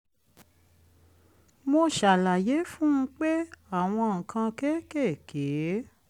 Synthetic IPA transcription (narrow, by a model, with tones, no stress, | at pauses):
mõ˧ʃa˨la˨je˨˦fũ˦ũ˦k͡pe˦a˦˨w̃ɔ̃˧ŋ̩˨kã˧kɛ˦kɛ˦˨ke˨˦